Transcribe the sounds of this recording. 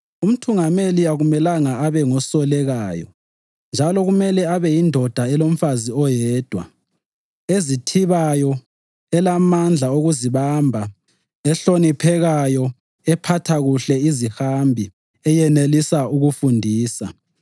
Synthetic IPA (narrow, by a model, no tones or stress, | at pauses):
um̩tʰuŋameliaɣumɛlaŋaaβɛŋɔsɔlɛɣaːjɔ̰ | nd͡ʒʱalɔɣumɛlɛaβɛjindʱɔd̥ʱaɛlom̩faziɔjɛːd̥ʱwa̰ | ezitʰiβajɔ | ɛlamand͡ɮʱaoɣuziβambʱa | ɛɬonipʰɛɣajɔ | ɛpʰatʰaɣuɬɛizihambʱi | ɛjɛnelisaʔuɣufundʱiːsa